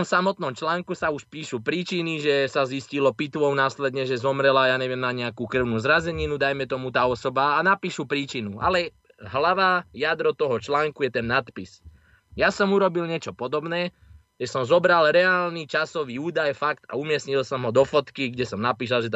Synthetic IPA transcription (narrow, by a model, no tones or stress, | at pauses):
ɔmsamɔt̪nɔmt͡ʃlaːŋkusauʃpiːʃupɾiːt͡ʃiniʒɛsaziscilɔpit̪ʋɔʊnaːslɛd̪ɲɛʒɛzɔmɾɛlajaːɲɛʋɪɛmnaɲɛakuːkr̩ʊnuːzɾazɛɲinud̪ajmɛt̪ɔmut̪aːɔsɔbaːnapiːʃupɾiːt͡ʃinua̰lɛ | ɦlaʋajad̪ɾɔt̪ɔɦɔt͡ʃlaːŋkujɛt̪ɛnːat̪pis | jasɔmuɾɔbilɲɪɛt͡ʃɔpɔd̪ɔbnɛː | ɛsɔmzɔbɾalɾɛaːlnit͡ʃasɔʋiːuːd̪ajfakt̪a̰umɪɛsɲilsɔmɦɔd̪ɔfɔt̪kiɡɟɛsɔmnapiːs̬alʒɛt̪